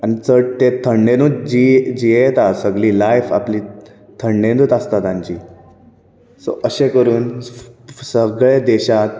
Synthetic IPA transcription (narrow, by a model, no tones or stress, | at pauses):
anit͡səʈ̚t̪et̪ʰəɳɖenuːt̪̚d͡ʑid͡ʑiet̪asəɡɭiːlajfa̰pliː | t̪ʰəɳɖẽnuːt̪əst̪at̪ãɲt͡ɕiː | so̰ʔəɕekəɾuːn | səɡɭed̪eɕat̪